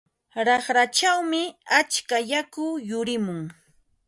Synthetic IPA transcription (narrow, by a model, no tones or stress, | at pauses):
ɾɑχɾat͡ʃawmɪat͡ʃkajakʊjʊɾɪmʊŋ